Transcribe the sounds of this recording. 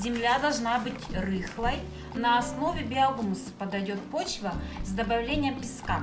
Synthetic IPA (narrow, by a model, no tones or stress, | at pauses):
zʲɪmlʲad̪ɐlˠʐnabɨtʲrɨxlˠɐj | nɐːsnovʲɪbʲɪɐɡumsɨ̥pɐd̪ɐjʲot̪̚pot͡ɕvɐzd̪ɐbɐvlʲenʲɪjɛmpʲɪska